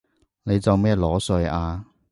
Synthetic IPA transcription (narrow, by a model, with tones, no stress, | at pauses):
ne˨˧jt͡sɐ˨wmɛː˥lɔː˨˥sɵ˧ɥaː˧